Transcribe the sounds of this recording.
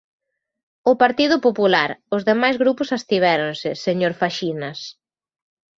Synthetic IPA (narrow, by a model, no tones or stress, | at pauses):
ʊpaɾt̪iðʊpopulaɾʊzðemajzɣɾupʊsast̪iβ̞ɛɾonsɪseɲoɾfaʃinɐs